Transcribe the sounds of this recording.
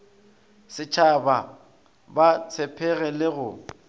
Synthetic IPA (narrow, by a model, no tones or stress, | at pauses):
sɪt͡ʃʰaba | bat͡sʰɛpʰɛɣɛlɪɣʊ